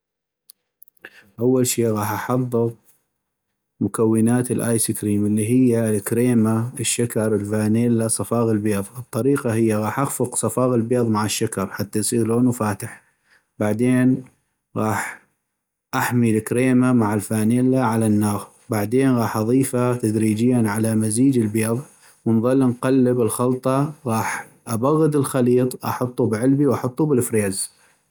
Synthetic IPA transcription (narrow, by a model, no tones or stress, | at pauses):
ʔawːalʃiːʔɣɑːħʔɑħɑðˤːɨɣ | mʊkawːɪnaːt̪ɪlʔaːjsɪkɾiːmɪlːiɦɪjːalkɾeːmaɪʃːakɑɾˤəlfaːneːlːasˤɑfɑːɣɪlbeːðˤɨt̪ˤːɑɾiːqɑɦɪjːaɣɑːħʔaɣfʊqsˤɑfɑːɣɪlbeːðˤmaʕɪʃːakɑɾˤħat̪ːajsˤiːɣloːnwfaːt̪ɪħ | baʕd̪eːn | ɣɑːħ | ʔaħmilɪkɾeːmamaʕalfaːneːlːaʕalanːaːɣ | baʕd̪eːnɣɑːħʔɑðˤiːfat̪ad̪ɾiːd͡ʒɪjːanʕalamaziːd͡ʒɪlbjɑðˤ | wənðˤɑlːnqɑlːəbɪlxɑlt̪ˤɑɣɑːħ | ʔabaɣːɪd̪ɪlxaliːt̪ˤʔɑ̰ħʊt̪ˤːubʕɪlbiwʔɑħʊt̪ˤːubɪlfɾeːz